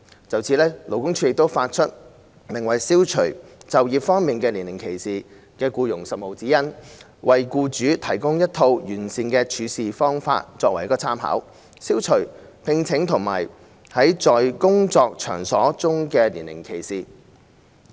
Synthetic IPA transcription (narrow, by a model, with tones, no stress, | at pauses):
t͡sɐ˨˩wt͡sʰiː˧˥lɛː˥lo˨˩wkʊ˥ŋt͡ʃʰy˨˥jɪ˨k̚t̪o˥wfaː˧t̚t͡ʃʰɵ˥t̚ | lɪ˨˩ŋwɐ˨jsiː˥wt͡ʃʰɵ˨˩ɥt͡sɐ˨wjiː˨p̚fɔː˥ŋmiː˨nkɛː˧liː˨˩nɪ˨˩ŋkʰe˨˩jsiː˨ | kɛː˧kuː˧jʊ˨˩ŋsɐ˨t̚mo˨˩wt͡siː˨˥jɐ˥n | wʔɐ˨jkuː˧t͡ʃyː˨˥t̪ʰɐ˨˩jkʊ˥ŋjɐ˥t̚t̪ʰo˧wjyː˨˩nsiː˨nkɛː˧t͡ʃʰyː˨˧siː˨fɔː˥ŋfa̰ː˧t̚t͡sɔː˧kwɐ˨˩jɐ˥kːɔː˧t͡sʰaː˥mɦa̰ː˨˥w | siː˥wt͡ʃʰɵ˨˩ɥ | pʰɪ˧ŋt͡sʰɪ˨˥ŋt̪ʰʊ˨˩ŋma̰ː˨˩j | hɐ˨˥jt͡sɔː˨jkʊ˥ŋt͡sɔː˧k̚t͡ʃʰœ̰ː˨˩ŋsɔː˨˥t͡sʊ˥ŋkɛː˧lḭː˨˩nlɪ̰˨˩ŋkʰe˨˩jsiː˨